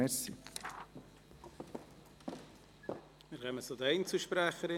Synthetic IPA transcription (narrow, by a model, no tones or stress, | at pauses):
ɛɾsi | mɪɾœmət͡sod̪ɛɪnt͡suʃpɾæχəɾɪ